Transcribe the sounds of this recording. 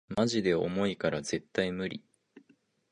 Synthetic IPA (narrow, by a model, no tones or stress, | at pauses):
maʑid̪e̞o̞̰mo̞ikaɾaze̞t̪ːaimɯ̟ɾʲi